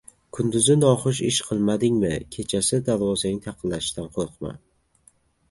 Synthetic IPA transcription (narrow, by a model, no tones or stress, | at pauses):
kʰʊnd̪ʊzɪnɒχʊʃ̬ɪʃqʰɨlˠmad̪ɪŋmɪkʲʰe̞t͡ʃʰasɪd̪aɾvɒzanɪŋt̪ʰaqʰɨnlaʃɪ̥ʃd̪anqʰoɾqʰma̰n